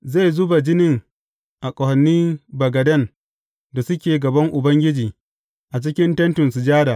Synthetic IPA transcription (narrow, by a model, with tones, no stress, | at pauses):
za˦˨jzʊ˦ba˨d͡ʒɪ˦nɪ˦ŋ | ʔa˨kʷʼɔ˨hɐ˨nːiː˦bɐ˨ɡɐ˨dɐ˦˨n | da˨sʊ˦kʲeː˨ɡɐ˨bɐ˦ŋʔʊ˨bɐ˦ŋɡʲɪ˦d͡ʒiː˨ | ʔa˨t͡ʃɪ˦kʲɪ˦ntɐ˦ntʊ˨nsu˨d͡ʒaː˦daː˨